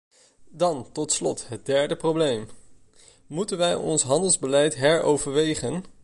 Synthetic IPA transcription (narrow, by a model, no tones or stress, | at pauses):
dɑntɔtslɔ̰tɦət̚dɛɹdəprowblejm | mutənʋɛjɔ̰nsɦɑndəlˠzbəlɛjtɦɛɹowvəɹʋejχən